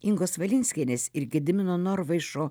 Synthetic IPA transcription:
ɪŋɡoːsʋɐlʲɪnʲsʲkʲenʲeːsʲɪɾɡʲɪd̪ʲɪmʲɪnoːnɔɾʋɐɪʃoː

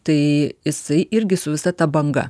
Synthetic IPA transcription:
t̪ɐɪjɪsɐɪʔɪɾʲɡʲɪsʊʋʲɪsɐt̪ɐbɐŋɡɐ̰

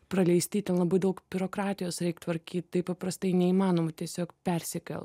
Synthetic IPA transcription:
pɾɐlʲɛɪsʲt̪ʲiːt̪ʲɛnlˠɐbɐɪd̪ɐʊkbʲɪɾoːkɾɑːt̪ʲɪjoːsɾʲɛɪkt̪ʋɐɾʲkʲiːt̪ʲt̪ɐɪpɐpɾɐst̪ɐɪnʲɛimɑːnoːmʊt̪ʲiɛsʲoːkpʲɛɾʲsʲɪkʲɛ̰lˠ

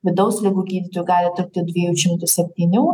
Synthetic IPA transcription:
ʋʲɪd̪ɐʊslʲɪɡuːɡʲiːd̪ʲɪt̪oːjuːɡɑːlʲɪt̪ʊk̚t̪ʲɪd̪ʲʋʲɪjuːʃʲɪmt̪ʊsʲɛpʲt̪ʲiːnʲuː

